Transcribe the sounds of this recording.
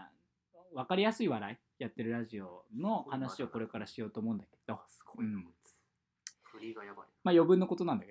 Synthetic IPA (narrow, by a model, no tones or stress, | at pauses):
βakaɾʲijasɨiβaɾai | jat̪ːe̞ɾɯ̟ɾaʑio̞no̞hanaɕio̞ko̞ɾe̞kaɾaɕijo̞ːt̪o̞ːmo̞ɯ̃nd̪aked̪̥o̞ɯ̟̃ɴ | majo̞bɯ̟̃nːo̞ko̞t̪o̞nãnd̪ake